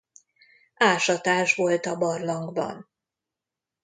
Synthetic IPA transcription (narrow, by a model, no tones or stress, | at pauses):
aːʃɒt̪aːʒvo̞lt̪ɒbɒrlɒŋɡbɒ̰n